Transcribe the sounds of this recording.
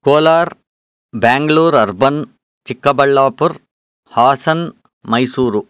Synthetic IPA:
koːlaːɾ | baːŋɡɐɭuːɾɐɾbɐn | t͡ʃikːɐbɐɭːaːpuɾ | haːsɐn | mɐjsuːɾu

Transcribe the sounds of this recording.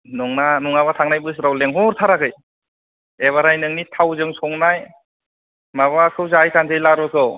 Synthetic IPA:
nɔŋnanɔŋaβatʰaŋnajbɯs̬ɾawleŋɦɔɾtʰaɾaɡɯj | eβaɾajnɯŋnitʰawzɯŋsʰɔŋnaj | maβakʰɯwzajkʰanzɯjlaɾɯkʰɯ

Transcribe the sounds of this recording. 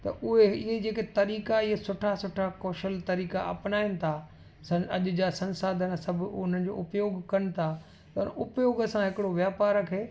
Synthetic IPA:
t̪ɐ̰ʔʊɦeɪɦed͡ʑeːket̪ɐɾiːkaɪɦesʊʈʰasʊʈʰakɔːʃəlt̪ɐɾiːka̰ʔɐ̰pnaːɪnɪ̆t̪ʰa | sɐɐʄʊ̆d͡ʑasɐ̃nsaːd̪ʱən̆sɐbʱʊn̤ənɪ̆d͡ʑo̰ːʊpjoːɡkɐñɪ̆t̪ʰa | t̪ɐʊnʔʊpjoːɡəsãɦɪkɪɽoʋjaːpaːɾkʰeː

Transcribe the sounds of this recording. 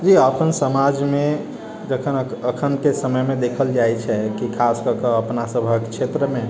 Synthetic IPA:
d͡ʒiəpʰənsəmad͡ʒme | d͡ʒəkʰənəkʰənkesəməjmed̪ekʰəld͡ʒajt͡ʃʰɛkikʰaskəkəəpnasəbʱəkt͡ʃʰet̪ɾəme

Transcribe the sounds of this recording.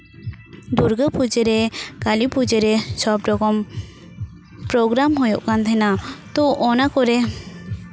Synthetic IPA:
d̪uɾɡəpʰud͡ʒəɾɛkalipʰud͡ʒəɾɛsɔbɖɔɡɔm | pɾɔɡɾamɦɔjɔʔkant̪ʰɛnat̪ɔʔɔnakɔɾɛ

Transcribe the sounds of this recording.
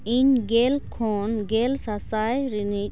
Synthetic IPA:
iɲɡelkʰonɡelsasajɾini

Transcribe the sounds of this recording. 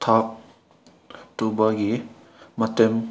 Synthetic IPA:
tʰak̚ | tubaɡi | matem

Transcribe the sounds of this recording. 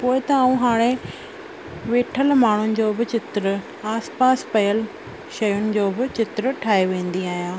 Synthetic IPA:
poːɪt̪ɐaːũɦaːɽ̃e | ʋeːʈʰəlmaːɳ̤ʊnɪ̆d͡ʑoːbɪt͡ɕɪt̪ɾ | aːspaːspɐjəl | ʃɐjʊnɪ̆d͡ʑoːbɪt͡ɕɪt̪ɾʈʰaːɦeʋẽːn̆d̪iaːɦjãː

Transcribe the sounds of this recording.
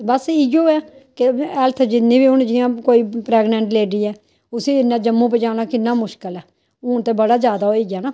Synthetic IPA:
bəsɪjoːɛːkeɛlt̪ʰd͡ʒɪnːĩːbiːʊnd͡ʒɪjãːkoːiːpɾɛːɡnɛ̃ɳʈleːɖiːɛː | ʊseːd͡ʒɪnːãːd͡ʒəmːũːp̬ed͡ʒaːnaːkɪnːaːmʊʃkəlɛː | ʊnt̪eːbəɽaːd͡ʒjaːd̪aːoːiːɡaːnaː

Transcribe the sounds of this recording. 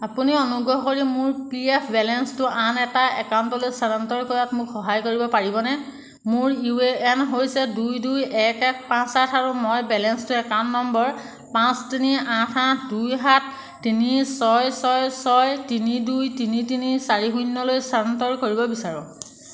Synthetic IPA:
apuniɔnuɡɹɔɦɔkoɹimʊɹpiɛpʰbɛlɛnstʊʔanɛtaɛkawntɔlojsaɹantɔɹkɔɹatmʊkxɔɦajkoɹibɔpaɹibɔnɛ | mʊɹiueɛnɦojsɛdujdujɛkɛk̚pãsatʰaɹumɔjbɛlɛnstʊɛkanːɔmbɔɹ | pãstiniãtʰãtʰdujɦat̚ʰ | tːinisɔjsɔjsɔjtinidujtinitinisaɹiɦunːɔlojsaɹantɔɹkoɹibɔbisaɹʊ̃

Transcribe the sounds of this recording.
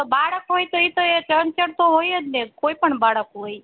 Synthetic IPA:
obaɽəkɦojt̪oit̪oet͡ʃənt͡ʃəɽt̪oɦojəd̪nekoːipəɳbaɽəkɦoi

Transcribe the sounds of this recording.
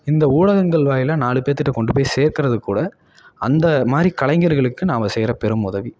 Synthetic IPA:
ɪnd̪ɐuːɭɐɣɐŋɡɐɭʋaːjɪlaːnaːɭɯpːeːt̪ːɯʈːɐkɔɳɖɯpoːjseːɾkɪɾɐðɯkːuːɽɐ | ɐ̰nd̪ɐmaːd̪ɾikɐɭɐɪŋɡɐɾɯɣɐɭɯkːɯnaːmɐsɛjɾɐpɛɾɯmʊðɐʋi

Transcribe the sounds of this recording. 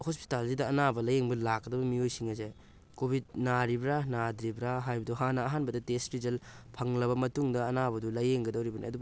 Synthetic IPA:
hospi̥talzidɐːnabɐlɐjeŋbɐlakːɐdɐbɐmiojsiŋɐze | kobʱid̚naɾibɾanadɾibɾaɦajbɐduɦanɐːɦanbɐdɐtesɾid͡ʒɐlpʰɐŋlɐβɐmɐtuŋdɐːnabɐdulɐjeŋɡɐdɐwɾibɐnḭɐ̰dub

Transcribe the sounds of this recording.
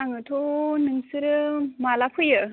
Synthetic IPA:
aŋɯtʰonɯŋsɯɾɯmalapʰɯjɯ

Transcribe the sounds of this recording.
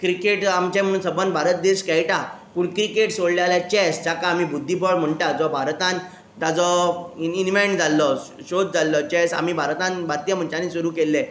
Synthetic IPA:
kɾikeʈamt͡ɕẽm̤ə̃uːnsəbənbʱaɾət̪̚d̪eɕkɛjʈa | puːɳkɾikeʈsoɽljaljat͡ɕɛsd͡ʑakaːmiːbud̪ʱːipɔɽm̤əɳʈad͡zɔbʱaɾt̪ãn | t̪ad͡zɔinʋeɳd͡zalːɔɕod̪d͡zalːɔt͡ɕɛsa̰m̤iːbʱaɾt̪ãnbat̪ːjam̤əɳt͡ɕanĩsuɾuːkelːe

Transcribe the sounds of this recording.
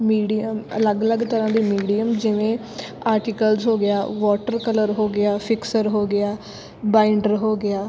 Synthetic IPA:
miːɖiəmɐ̰ləɡələɡt̪əɾãːd̪iːmiːɖijəmd͡ʒɪʋẽ | aːɾʈiːkəlzɦoːɡɪjaːʋɔːʈəɾkələɾɦoːɡɪaːfɪksəɾɦoːɡɪaː | bãːɪɳɖəɾɦoːɡɪaː

